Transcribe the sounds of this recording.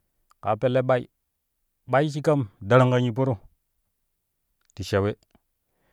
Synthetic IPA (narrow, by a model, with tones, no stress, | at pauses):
ka˨˦pe˨le˦ɓa˦ḭ˦ | ɓa˦i˦ʃ̬i˦ka˦mda˨ɾa˦ŋka˦ɲi˨p̬o˦ɾo˦ | ti˨ʃe˨we˦